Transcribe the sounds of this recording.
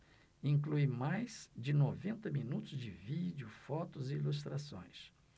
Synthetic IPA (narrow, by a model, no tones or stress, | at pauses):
ĩŋkluimajz̥d͡ʒɪnovẽnt̪ɐminut̪ʊzd͡ʒɪvid͡ʒɪʊfɔt̪ʊzɪilust̪ɾasõ̰j̃s